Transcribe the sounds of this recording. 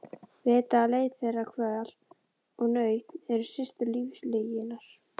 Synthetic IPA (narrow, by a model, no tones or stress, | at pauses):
vɛːt̪aːleːjt̪θejrːakʰvɛðal | ɔɣnœɥt̪nɛɾʏ̥sɪst̪ʏliːfslejɪnaɾ̥